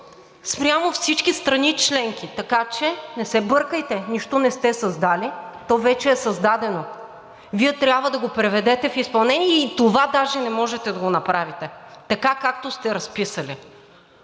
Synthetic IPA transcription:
spɾʲjamofsit͡ʃkist̪ɾɐnit͡ʃlɛŋk̟ʲit̪ɐkat͡ʃɛnɛsɛbɤɾkəjt̪ɛniʃt̪onɛst̪ɛsɐzd̪alʲit̪ɔvɛt͡ʃɛːsɐzd̪ad̪ɛno | viɛt̪ɾʲabvəd̪ɐɡopɾɛvɛd̪ɛt̪ɛfispɐlˠnɛniɛit̪ovad̪aʒɛnɛmɔʒɛt̪ɛd̪ɐɡonɐpɾavit̪ɛt̪ɐkakak̚t̪ost̪ɛɾɐspisɐli

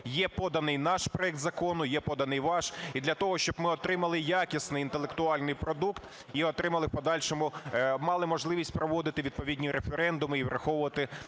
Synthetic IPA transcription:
jɛpɔd̪ɐnɪjnɑʃpɾɔɛk̚t̪zɐkɔnʊjɛpɔd̪ɐnɪjʋɑʃid̪lʲɐt̪ɔɦɔʃt͡ʃɔb̥mɪɔt̪ɾɪmɐlˠɪjɑkʲisnɪjint̪elˠekt̪ʊɑlʲnɪjpɾɔd̪ukt̪ | iɔt̪ɾɪmɐlˠɪpɔd̪ɑlʲʃɔmʊmɑlˠɪmɔʒlˠɪʋʲisʲtʲpɾɔʋɔd̪ɪt̪ɪʋʲid̪̚pɔʋʲidʲnʲiɾefeɾɛnd̪ʊmɪiʋɾʔɐxɔʋʊʋɐt̪ɪ

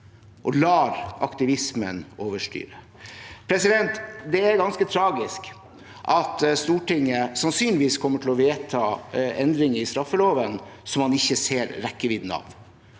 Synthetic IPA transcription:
ʔɔlɑːɾɑ̰kt̪ɪʋɪsmə̰noːʋəʂʈy̰ːɾə | pʰɾɛsɪd̪ɛnt̪d̪ɛæɾɡɑnskət̪ʰɾɑːɡɪsk | ʔɑt̪st̪uːʈɪŋːəsɑnsyːnlɪʋiːskʰɔmːəʈʰɪlɔʋeːt̪ʰɑːɛnd̪ɾɪŋəɾɪst̪ɾɑfːəloːʋənsɔmhɑnɪçːəseːɾɾɛkːəʋiːd̪n̩ɑ̰ʋ

